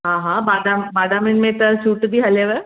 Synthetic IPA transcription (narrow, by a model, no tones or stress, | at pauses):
ɦãɦãmad̪ammad̪aminmẽt̪əɕuːʈd̪iɦəleʋə